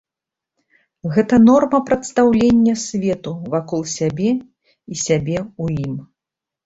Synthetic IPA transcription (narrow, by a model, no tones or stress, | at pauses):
ɣɛt̪ɐnɔrmɐpɾɐt̪st̪awlʲenʲːɐsʲvʲɛt̪uvakɔlˠsʲabʲɛ | isʲabʲɛujim